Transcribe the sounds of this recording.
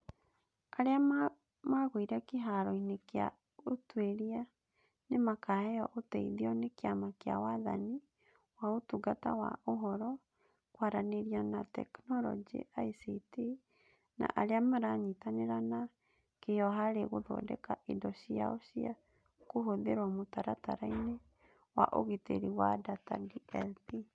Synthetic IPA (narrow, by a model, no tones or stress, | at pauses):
aɾea | maɣoiɾɛkeɦaɾɔinekea̰ | otweɾia | nemakahɛjɔʔotɛiðiɔnekeamakea̰waða̰ni | waotuɡata̰wa̰oɦɔɾɔ | kwaɾaneɾianatɛ̰knɔɾɔ̰d͡ʒḭʔaisiti | na̰ʔaɾeamaɾaɲitaneɾana | kejɔɦaɾeɣoðɔ̰dɛ̰kaʔidɔɕia̰oɕia̰ | koɦoðeɾwamotaɾataɾaine | wa̰ʔo̰ɣitḛɾiwa̰data̰diɛlti